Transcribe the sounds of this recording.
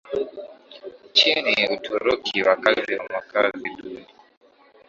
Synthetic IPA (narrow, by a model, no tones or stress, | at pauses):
t͡ʃiniutʰuɾukʰiwakaziwamakaziɗuni